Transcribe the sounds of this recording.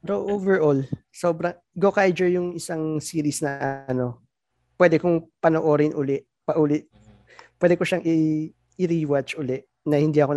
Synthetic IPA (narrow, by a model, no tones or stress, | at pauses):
ɾoʔovɛɹʔolsoːbɾɐŋ | ɡokajd͡ʒɛɹjʊŋɪsaŋsiːɾɪsnɐʔɐno̞ | pwɛːd̪ɛkʊŋpɐnoʔoːɾɪnʔʊlɛʔ | pɐʔuːlɪt̪ | pwɛːd̪ɛkoʃaŋʔɪ | ɪɾiːwat͡ʃʔʊlɛʔ | nɐhɪnd̪iʔɐkon